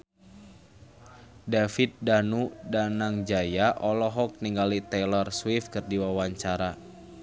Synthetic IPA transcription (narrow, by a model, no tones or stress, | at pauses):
dafit̪̚danudanaŋd͡ʒajaʔɔlɔɦɔk̚niŋɡalit̪ɛlɔrswifkɨrdiwawaɲt͡ʃaɾa